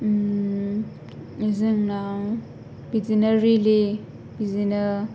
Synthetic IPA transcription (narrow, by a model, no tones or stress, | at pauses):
izɯŋna | bizinaɾili | bizina